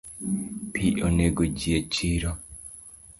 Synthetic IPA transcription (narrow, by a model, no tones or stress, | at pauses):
pʰiʔoneɡod͡ʒiet͡ʃiɾo